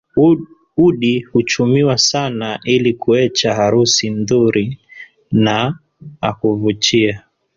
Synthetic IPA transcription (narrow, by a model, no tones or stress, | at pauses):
uɗihut͡ʃumiwasanaʔilikuɛt͡ʃaɦaɾusimðuɾi | na | a̰kuvut͡ʃia